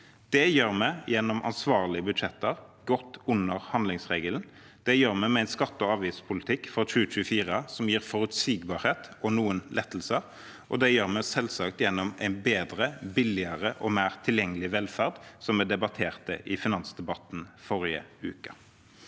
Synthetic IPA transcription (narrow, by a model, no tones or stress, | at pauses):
d̪̥ɛjøːʁmæɪjɛnːɔmʔɑ̰nsʋɑːʁlɪəbʉd̪ʂɛt̪ːəʁɡɔt̪ːʊnːəʁhɑnd̪lɪŋsʁeːɡəln | d̪̥ɛjøːʁmæɪmɛæɪnskɑt̪ːɔɑːʋiːspʰʊlɪt̪ʰɪkːfɔt͡ʃʉːt͡ʃʉːfiːʁəsɔmjiːʁfɔɾʉt̪siːɡbɑːɾheːt̪ɔnuːənlʔɛt̪ːl̩sə | ʔɔ̰d̪ɛjøːʁmɛɪsɛlsɑk̚t̪jɛnːɔmæ̰ɪnbeːd̪ɾəbɪlɪɑʁəʔɔmæːʁt̪ʰɪljɛŋːəlɪʋɛlfæʁd̪sɔmɛd̪ɛbɑt̪ʰeːʁt̪ə̰ʔɪfɪnɑnsd̪ɛbɑt̪n̩fɔɾɪə̰ʉːkə